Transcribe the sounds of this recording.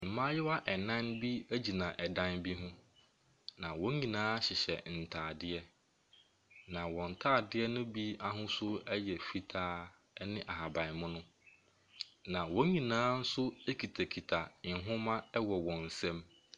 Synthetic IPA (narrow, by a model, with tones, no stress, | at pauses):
m̩˨mã˦jɛ˦wa˦ʔɛ˨nã˦nbi˦æ˦d͡ʑi˨nã˨ʔɛ˨dã˦nbi˦ɦʊ̃˦ | nã˨wɔ̃˦ɲĩ˨nãː˦ɕɪ˨ɕɛ̰˨n̩˨tʰaː˨dɪ˦ɛ˦ | nã˨wɔ̃˨n̩˨tʰaː˦˨dɪ˦ɛ˦nʊ̃˦bi˦a˦ɦʊ̃˦sʊ˦ɛ˦jɛ˨fi˦tʰaː˦ | nɪ̃˦ʔa˨ha˨bã˨n˨mʊ̃˦nʊ̃˦ | nã˨wɔ̃˦ɲĩ˨nãː˨˦n̩˦sʊ˦e˦kʰi˨tʰa˨kʰi˨tʰa˨ɪ˨ɦʊ̃˦mã˦ɛ˦wɔ˨wɔ̃˨n̩˨sɛ̃˦m